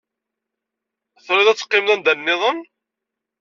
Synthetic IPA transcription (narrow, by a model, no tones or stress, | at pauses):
θɾuðæt͡sːə̥qːɪmðænd̪ænːɪðˤən